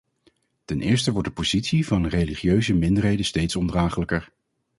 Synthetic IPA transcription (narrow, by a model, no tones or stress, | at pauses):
tɛnʔɪ̰ːɹstəʋɔɹt̚dəpoz̥itsivɑnrejliχjøɥzəmɪndəɹɦejdəstejtsɔndraːχələkəɹ